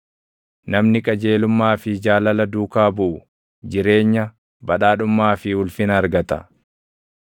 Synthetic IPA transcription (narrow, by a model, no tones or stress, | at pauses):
nɐmnɪkʼɐd͡ʒeːlʊmːaːfɪd͡ʒaːlɐlɐd̪uːkaːbʊʔʊ | d͡ʒɪɾe̞ːɲːɐ | bɐᶑaːᶑʊmːaːfɪʊlfɪnɐɾɡɐt̪ɐ̰